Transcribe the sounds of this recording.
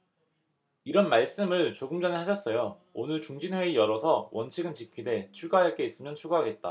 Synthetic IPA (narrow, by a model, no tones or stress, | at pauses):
iɾʌnmaɭs͈ɯmɯɭt͡ɕoɡɯmd͡ʑʌnehaɕʰʌs͈ʌjo | onɯɭt͡ɕuŋd͡ʑinwe̞ijʌɾʌsʰʌwʔʌnt͡ɕʰiɡɯnt͡ɕikʰide̞t͡ɕʰuɡaɦajʌɭk͈e̞is͈ɯmjʌnt͡ɕʰuɡaɦaɡe̞t̚t͈a̰